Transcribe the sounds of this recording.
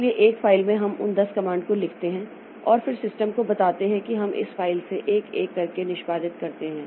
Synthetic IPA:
lieʔeːkfaːɪlmẽɦɐmʊ̰nd̪ɐskɐmãːɳɖkolɪkʰt̪eɦɛ̃ | ɔːɾfɪɾsɪsʈəmkobɐt̪aːt̪eɦɛ̃kiɦɐmʔɪ̰sfaːɪlseʔeːkeːkːɐɾkenɪʃbaːd̪ɪt̪kɐɾt̪eɦɛ̃ː

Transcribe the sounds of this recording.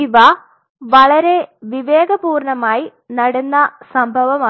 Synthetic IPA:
iʋɐ | ʋɐɭɐɾe̞ʋiʋeːɡɐbuːrɳɐmaːji | nɐɽunːɐsɐmbʱɐʋɐmaː

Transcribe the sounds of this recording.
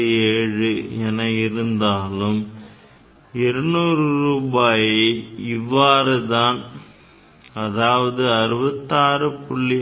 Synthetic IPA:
eːɻɯɛnɐɪɾɯnd̪aːlɯm | ɪɾɯnuːrɯɾuːbaːjɪɪʋːaːɾɯðaːn | ɐðaːʋɐðɯɐɾɯbɐt̪ːaːɾɯpʊɭːɪ

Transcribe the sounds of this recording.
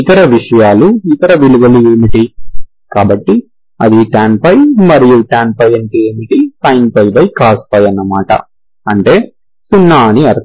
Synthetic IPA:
it̪ɐɾɐʋiʂɐjaːluit̪ɐɾɐʋiluʋɐlieːmiʈi | kaːbɐʈːi | ɐd̪iʈaːnpɐjmɐɾijuʈaːnpɐjɐnʈieːmiʈisɐjnpɐjbɐjkaːsp̪ɐjɐnːɐmaːʈɐ̰ | ɐɳʈe̞ː | sunːaːniɐɾ

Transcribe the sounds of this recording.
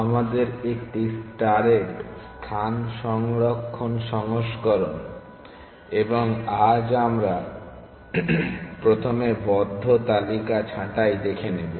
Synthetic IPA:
amad̪eɾekʈisʈaɾest̪ʰanʃɔŋɾokʰːonʃɔŋoʃkoɾon | eboŋad͡ʑamɾa | pɾot̪ʰomebɔd̪ʱːot̪alikat͡ɕʰãʈajd̪ekʰenebo

